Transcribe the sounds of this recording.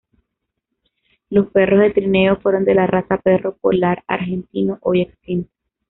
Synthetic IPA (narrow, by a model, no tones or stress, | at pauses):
lo̞spe̞rozðe̞t̪ɾine̞ofweɾo̞nd̪e̞larasape̞ro̞polaɾa̰ɾxe̞nt̪inoʔojekst̪int̪o̥